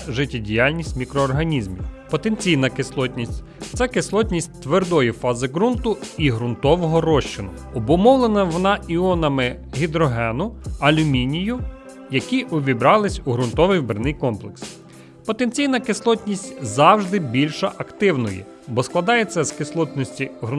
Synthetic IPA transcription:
ʒɪtʲːidʲijɑlʲnʲisʲtʲmʲikɾɔːrɦɐnʲizmʲḭpɔt̪ent͡sʲijnɐkɪslˠɔtʲnʲisʲtʲ | t̪sɛkɪslˠɔtʲnʲisʲtʲt̪ʋerd̪ɔjifɑzɪɡɾunt̪ʊiɦɾʊnt̪ɔʋɔɦɔɾɔʃt͡ʃɪnʊ | ɔbʊmɔwlˠenɐʋɔnɑiɔnɐmɪɦʲid̪ɾɔɦɛnʊɐlʲʊmʲinʲijʊ | jɐkʲiʔʊʋʲibɾɑlˠɪsʲuɦɾʊnt̪ɔʋɪjwbɾnɪjkɔmplˠeks | pɔt̪ent͡sʲijnɐkɪslˠɔt̪ʲnʲisʲtʲzɑwʒd̪ɪbʲilʲʃɐʔɐkt̪ɪwnɔ̰jɛ̰ | bɔsklˠɐd̪ɑjet͡sʲːɐskɪslˠɔt̪ʲnɔsʲtʲiɦɾʊ

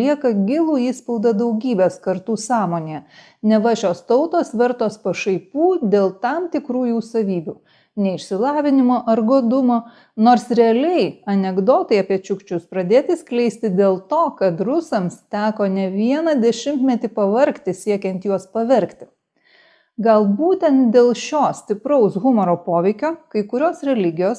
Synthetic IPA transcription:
liɛkɐɡʲɪlˠuːiːspɔʊd̪ɐd̪ɐʊɡʲiːbʲeːskɐɾt̪uːsɑːmoːnʲejɛ | nʲɛʋɑʒʲoːst̪ɔʊt̪oːsʋʲɛɾt̪oːspɐʃɐɪpuːd̪ʲeːlˠt̪ɐmt̪ʲɪkɾuːjuːsɐʋʲiːbʲuː | nʲɛɪʃʲsʲɪlˠɑːʋʲɪnʲɪmoːʔɐɾɡoːd̪ʊmoː | noːɾsɾʲɛɐlʲɛɪɐnʲɛɡd̪oːt̪ɐɪɐpʲiɛt͡ʃʲʊkt͡ʃʲʊspɾɐd̪ʲeːt̪ʲɪsʲklʲɛɪsʲt̪ʲɪd̪ʲeːlˠt̪oːkɐt̪ɾʊsɐmst̪ʲæːkoːnʲɛʋʲiɛnɐd̪ʲɛʃʲɪmt̪mʲɛt̪ʲipɐʋɐɾʲkt̪ʲɪsʲiɛkʲɛnʲt̪juɔspɐʋʲɛɾʲkt̪ʲɪ̥ | ɡɐlˠbuːt̪ʲɛnt̪̚d̪ʲeːlˠʃʲoːsʲt̪ʲɪpɾɐʊsɣʊmɔɾoːpoːʋʲɛɪkʲoːkɐɪkʊɾʲoːsɾʲɛlʲɪɡʲɪjoːs

